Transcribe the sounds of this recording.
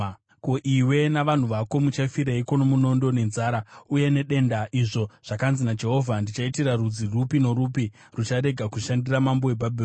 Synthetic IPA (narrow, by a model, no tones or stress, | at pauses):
koʔiwe̞naʋan̤uʋako̞mut͡ʃafiɾeiko̞nomuno̞ndo̞ne̞nzaːɾauje̞ne̞ɗe̞ndaʔiʐo̞ʐ̥akanzinad͡ʒe̞ɦo̞vʱandit͡ʃaitirarud͡zirupinoɾupi | rut͡ʃaɾe̞ɡʱakuʃandiramambo̞webʱabʱi